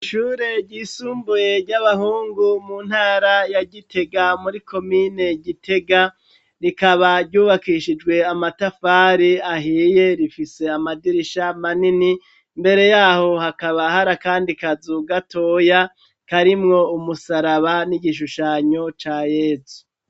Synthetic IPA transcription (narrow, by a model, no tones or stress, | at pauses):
ʃuːɾe̞ɟiːsuːmbuje̞ɾɟaβahuːŋɡumuːn̥haːɾajaɟitʰe̞ɡamuɾiko̞mine̞ɟitʰe̞ɡa | ɾikaβaɾɟuːβakiʃid͡ʒɡwe̞amatafaːɾiaɦiːje̞ɾifise̞amadiɾiʃamanini | mbe̞ɾe̞jaːho̞hakaβahaɾakaːndikazuɡato̞ja | kaɾimŋo̞umusaɾaβaniɟiʃuʃaɲo̞t͡ʃaːjeːzu